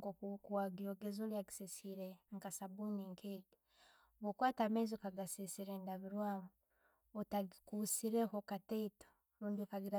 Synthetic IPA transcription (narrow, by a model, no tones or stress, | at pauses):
ɡokuwaɡioɡezoljaɡisesiɾeŋkasabuniŋkʰeːɡi | βokwaːtamezokaɡasisiɾeːndaβiɾwaːmo | tkusiɾehokateito̥ | ɾuːndiokaɡiɾa